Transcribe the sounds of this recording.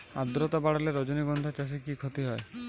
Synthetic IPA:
a̰d̪ɾɔt̪abaɽaleɾɔd͡ʒoniɡɔnd̪ʱat͡ʃas̬ikikʰot̪iɦɔe

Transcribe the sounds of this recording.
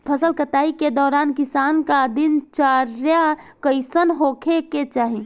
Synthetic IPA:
pʰəsəlkət̪aːiked̪ɔːɾaːnkisaːnkad̪int͡ʃaɾjakəɪsənɦokʰeket͡ʃaːɦi

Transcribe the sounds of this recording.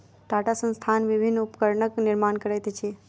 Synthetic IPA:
ʈaʈasə̃nst̪ʰanʋibʱinːupkəɾnəkniɾmankəɾəjt̪t͡ʃʰi

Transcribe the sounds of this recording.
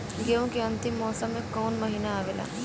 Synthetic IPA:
ɡeõkeɐ̃nt̪ɪmːɔːsəmːẽkɔːnmɐɦiːnaːʋeːla̰ː

